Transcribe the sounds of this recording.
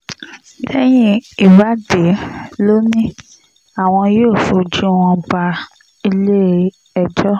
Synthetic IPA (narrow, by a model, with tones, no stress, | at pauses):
dɛ˦j̃ĩ˦i˨wa˦de˨˦lo˦nĩ˦ | a˦˨w̃ɔ̃˧joː˦˨fu˧˦d͡ʒĩ˦w̃ɔ̃˧ba˧ | i˧le˦˨ | ɛ˧˨d͡ʒɔ˦